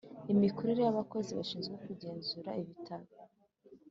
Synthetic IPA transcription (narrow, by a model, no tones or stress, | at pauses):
imiko̞ɾeɾejaβako̞ziβaʃiːnzɡeokuɟe̞ːnzuɾaiβitʰaɾo